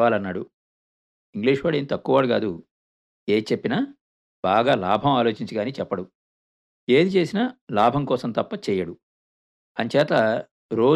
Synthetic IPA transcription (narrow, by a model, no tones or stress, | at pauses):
aːlɐnːaːɽu | iŋɡliːʂʋaːɽeːnit̪ɐkːuʋaːɽuɡaːd̪u | eːt͡ʃepːinaː | baːɡaːlaːbʱɐmaːlo̞ːt͡ʃiɲt͡ʃiɡaːniːt͡ʃɛpːɐɽu | eːd̪it͡ʃe̞ːsinɐlaːbʱɐmkɔːsɐmt̪ɐpːɐt͡ʃɛːjɐɽu | ɐɲt͡ʃɛːt̪ɐ | ɾo̞ː